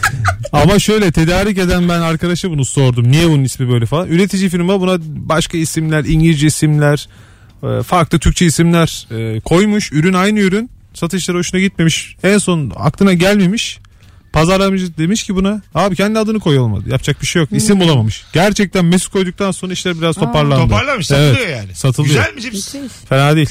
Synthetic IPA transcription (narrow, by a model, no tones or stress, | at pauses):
amaʃø̞jlʲɛt̪ʰe̞d̪aːɾic̬e̞d̪ænbænaɾkʰad̪aʃɯbunuso̞ɾd̪umnijɛbununismibø̞jlʲɛfalˠanyɾe̞t̪ʰid͡ʒifiɾmabunabaʃkaisimlʲæɾiɲɟilʲd͡ʒiisimlʲæɾ̥ | ɛ̰faɾklˠɯt̪ʰyɾc̚t͡ʃʰɛisimlʲæɾ̥ɛkʰo̞jmuʃyɾynajnɯyɾyn | sat̪ʰɯʃlˠaɾɯo̞ʃunaɟit̪̚me̞miʃænso̞na̰klˠɯnaɟælʲme̞miʃ | pʰazaɾlˠamɯd͡ʒɯd̪e̞miʃcʰibunahaːbicʰɛnʲiad̪ɯnɯkʰo̞jolˠma̰d̪ɯ̰japt͡ʃʰak̚biʃejokisimolˠamamɯʃɟ̥æɾt͡ʃʰɛc̚t̪ʰænmɛskʰo̞jd̪uk̚t̪ʰanso̞nɾaiʃlʲæɾbiɾazt̪ʰo̞pʰaɾlˠanod̪ɯaɾlˠaʃevɛjojaːnɪsat̪ʰɯlˠɯjoælʲmifenaːd̪ejilʲ